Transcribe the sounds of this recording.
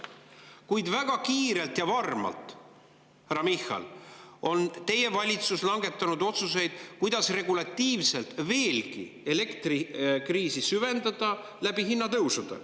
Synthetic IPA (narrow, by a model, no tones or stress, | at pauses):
kujd̪væɡ̥ɑkiːɾe̞lt̪jɑvɑrmɑ̰lt̪ˑ | hæɾɑmixɑ̰lo̞nt̪e̞je̞vɑlʲit̪suslɑŋɡe̞t̪ːˑɑnud̪o̞t̪suse̞jd̪̥kujd̪̥ɑsre̞ɡulɑt̪ːiːvse̞lt̪ve̞ːlkḭe̞le̞kt̪rikriːsisyve̞nd̪ɑd̪̥ɑ | læb̥iɦinːɑt̪ɤwsud̪̥ɑ̰